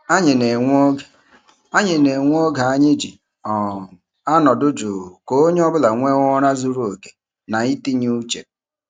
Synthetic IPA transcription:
a˦ɲɪ˨ne˨ŋʷ˦o˦ɡ | a˦ɲɪ˨ne˨ŋʷ˦o˦ɡa˨a˦˨ɲɪ˦d͡ʒi˨ | ɔ˨ | a˦nɔ˨dʊ˦d͡ʒo˨ko˦o˦ɲe˦ɔ˦bʊ˦la˨ŋʷe˦ŋɔ˦ɾa˦zu˦ɾu˦o˨ke˨ | na˨i˦ti˦ɲi˦u˦t͡ʃḛ˨p̚

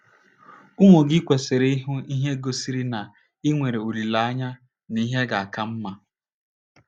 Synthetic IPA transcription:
ʊ˦ŋʷo˨ɡɪ˦kʷe˨se˨ɾe˦i˦ɦu˦i˦ɦe˦ɡo˨si˦ɾi˦na˨ | ɪ˦ŋʷe˨ɾe˨u˨ɾi˨la˨a˦ɲa˦ | ni˦ɦe˦ɡa˨a˨ka˦m̩˦ma˨

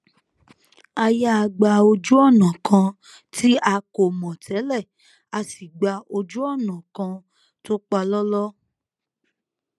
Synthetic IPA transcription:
a˧ja˦˧ɡ͡ba˧o˧d͡ʒu˦ɔ˦˨nã˨kʰã˧ | tʰi˦a˧ko˨mɔ̃˨tʰɛ˨˦lɛ˦˨ | a˧si˨ɡ͡ba˧o˧d͡ʒu˦ɔ˦˨nã˨kã˧ | to˦k͡pa˧lɔ˦lɔ˦

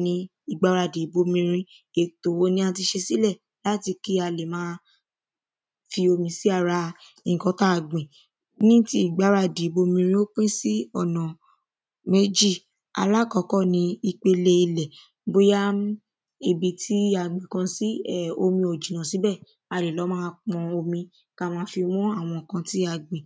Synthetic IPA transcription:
nĩ˧ | i˨ɡ͡ba˧˦ɾa˧˨de˨˦bo˧mĩ˧ɾ̃ĩ˧ | e˨to˨wo˧˦nĩ˧˦ã˧˦t̬i˧ʃe˧si˦lɛ˦˨ | la˦ti˧ki˦a˧le˨mãː˦ | fi˧o˧mĩ˧si˦a˦˨ɾa˧ | i˧˨kɔ̃˧˦ta˦˨ɡ͡bĩ˨ | nĩ˦ti˦i˦˨ɡ͡ba˨˦ɾa˧˨de˨˦bo˧mĩ˧ɾ̃ĩ˧o˦k͡pĩ˦si˦ɔ˦˨nã˨ | me˦d͡ʒi˦˨ | a̰˧la˦kɔ˧˦kɔ˦˨nĩ˧i˧k͡pe˧le˧i˧lɛ˨ | bo˧ja˦ | e˨bi˨tʰi˦a˨ɡ͡bĩ˨kã˧si˦ɛ˦˨o˧mĩ˧o˨d͡ʒĩ˨nã˨si˨˦bɛ˦˨ | a˧le˨lɔ˨˦mãː˦˧k͡pɔ̃˧o˧mĩ˧ | ka˧mãː˦fi˧w̃ɔ̃˦a˦˨w̃ɔ̃˧˨kã˧ti˦a˨ɡ͡bĩ˨

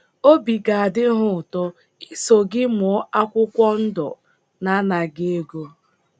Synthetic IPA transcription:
o˦bi˨ɡa˨a˨dɪ˦ɦʊ˦˨tɔ˦ | i˦so˨ɡɪ˦mʊ˨ɔ˦a˦kʷʊ˦kʷɔ˦n̩˦dɔ̰˨ | na˦na˨ɡe˦e˦ɡo˦

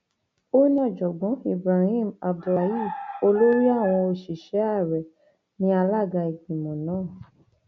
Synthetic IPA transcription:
o˦nĩ˦ɔ˦˨d͡ʒɔ˨ɡ͡bɔ̃˨˦i˦˨bɾa˨hĩ˦˨ma˨bdu˧ɾa˨˦ji˦˨o˧lo˦ɾi˦a˦˨w̃ɔ̃˧o˧ʃi˨ʃɛ˨˦a˦˨ɾɛ˨ | nĩ˨˦a˧la˦˨ɡa˧i˨ɡĩ˨mɔ̃˨nãː˦˨

